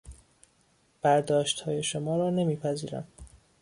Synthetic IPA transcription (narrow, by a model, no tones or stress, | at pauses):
b̥æɾd̪ɒːʃt̪hɒːje̞ʃomɒːɾɒːne̞miːpʰæziːɾæ̰m